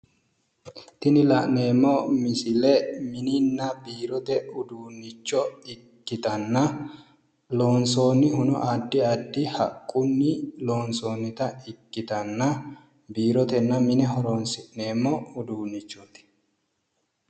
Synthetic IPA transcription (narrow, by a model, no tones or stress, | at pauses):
t̪ɪnɪlɐʔneːmːɔmɪsɪlɛmɪnɪnːɐbiːɾɔt̪ɛʊd̪uːnːɪt͡ʃːɔɪkːɪt̪ɐnːɐ | loːnso̞ːnɪɦʊnɔ̰ʔɐd̪ːɪɐd̪ːɪhɐ̰kʼːʊnːɪloːnsoːnɪt̪ɐɪkːɪt̪ɐnːɐ | biːɾɔt̪ɛnːɐmɪnɛɦɔɾɔːnsɪʔneːmːɔʊd̪uːnːɪt͡ʃːot̪ɪ̥